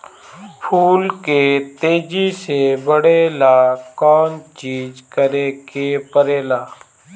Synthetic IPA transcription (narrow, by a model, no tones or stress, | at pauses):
pʰuːlkeːt̪eːd͡ʒiːseːbəɽeːlaːkɔːnt͡ʃiːd͡ʒkəɾeːkeːpəɾeːlaː